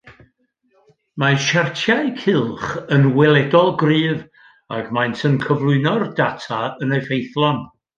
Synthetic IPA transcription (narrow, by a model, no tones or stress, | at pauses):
maʃartʰjaɨkʰɪlˠχənwɛlˠɛdɔlˠɡriːv | a̰ɡmajntʰənkʰəvlˠʊɨnɔrdatʰaəneɨfejθlˠɔn